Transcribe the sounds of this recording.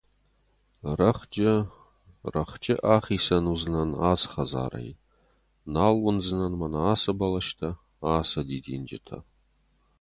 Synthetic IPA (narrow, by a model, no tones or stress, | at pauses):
rɐχd͡ʒʼɪ | rɐχt͡ʃʼɪʔaːχiːsɐnuznɐnaːt͡sχɐza̰ːrɐ̰j | naːlwʊnd͡zɨnɐnmanaaːsɐbɐlɐʃtʰɐ | aːsɐdiːdḭːnd͡ʒɪ̰tʰɐ̰